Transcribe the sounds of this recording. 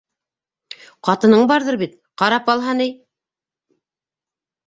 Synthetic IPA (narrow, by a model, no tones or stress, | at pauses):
qɑt̪ɤ̆nɤɴbɑɾðɤɾbit̪ | qɑɾɑpɑlˠɦɑnɘj